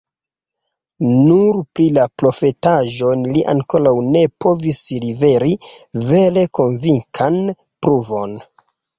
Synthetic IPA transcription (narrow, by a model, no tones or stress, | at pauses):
nuɾpɾilapɾo̞fe̞taʒo̞nliʔa̰ŋko̞ɾawne̞po̞vislive̞ɾive̞ɾe̞ko̞nviŋkʰan | pɾuvo̞n